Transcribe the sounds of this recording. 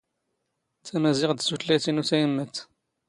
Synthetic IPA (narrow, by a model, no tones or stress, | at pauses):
t͡sæmæzɪʁd̪sut̪læt̪inuθæjəmːət̪